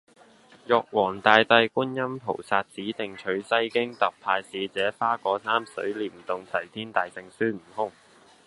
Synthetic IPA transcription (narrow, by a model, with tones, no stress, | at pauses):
jɔː˨k̚wɔː˨˩ŋt̪aː˨˧jt̪ɐ˧jkuː˥njɐ˥mpʰo̰˨˩wsaː˧t̚t͡siː˨˥t̪ɪ˨ŋt͡ʃʰɵ˨˥ɥsɐ˥jkɪ˥ŋt̪ɐ˨p̚pʰaː˧jsiː˨˧t͡sɛː˨˥faː˥kɔː˨˥sʰaː˥msɵ˨˥ɥliː˨˩mt̪ʊ˨ŋt͡sʰɐ˨˩jt̪ʰiː˥nt̪aː˨jt͡sɪ˨ŋsyː˥˩m̩˨˩ɦʊ˥ŋ